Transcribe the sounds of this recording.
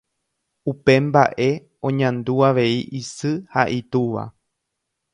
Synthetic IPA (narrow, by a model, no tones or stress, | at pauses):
upe̞mbaʔe̞ | õ̞ɲãnd̪uaʋe̞iʔisɨhaʔit̪uʋa̰